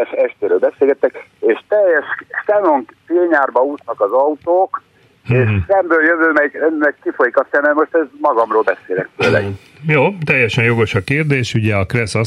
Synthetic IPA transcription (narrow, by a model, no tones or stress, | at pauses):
ɛʃɛʃt̪eːɾøːlbɛseːlɡɛt̪ːɛkeːʃt̪ɛjːɛʃsɛnoŋkt̪eːɲaːrbɒuːt̪nɒkɒzɒut̪oːk | eːʃsɛmbøːljøvøːmɛɡːɛkkifo̞jikɒsɛmɛmo̞ʃt̪ɛzmɒɡɒmroːlbɛseːlɛ̰k̚t̪øːlɛ̰ɡ | joːt̪ɛjːɛʃɛnjo̞ɡo̞ʃɒkeːrd̪eːʃuɟɛɒkrɛsɒ